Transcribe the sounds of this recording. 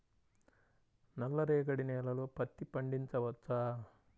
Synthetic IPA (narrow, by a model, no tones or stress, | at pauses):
nɐlːɐɾɛːɡɐɽinɛːlɐloːpɐt̪ːipɐɳɖiɲt͡ʃɐʋɐt͡ʃːaː